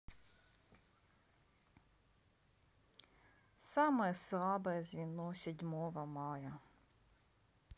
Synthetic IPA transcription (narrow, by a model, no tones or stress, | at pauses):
sɑmɔjɛslˠɑbɐjɛzʲʋʲinɔsʲɔdʲmɔʋɐmɑjɐ